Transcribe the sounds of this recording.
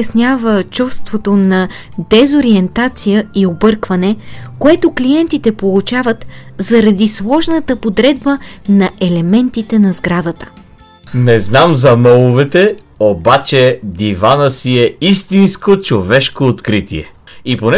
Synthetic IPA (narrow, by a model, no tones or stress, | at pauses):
ɐsnʲavət͡ʃufst̪vot̪onɐ | d̪ɛzoɾiɛnt̪at̪sijəiobɤɾkvɐnɛkoɛt̪oklijɛnt̪it̪ɛpolˠut͡ʃavət̪zɐɾɐd̪islˠɔʒnət̪əpod̪ɾɛd̪bənɐʔɛlɛmɛnt̪it̪ɛnɐzɡɾad̪ət̪ə̥ | nɛznamzɐmɔlˠovɛt̪ɛ | obat͡ʃɛd̪ivanəsiɛist̪inskot͡ʃovɛʃkoːt̪kɾit̪ḭɛ̰iponɛ